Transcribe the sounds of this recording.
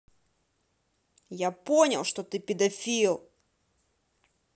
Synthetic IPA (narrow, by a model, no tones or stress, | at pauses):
japonʲɐlˠʂt̪ɔt̪ɨpʲɪd̪ɐfʲilˠ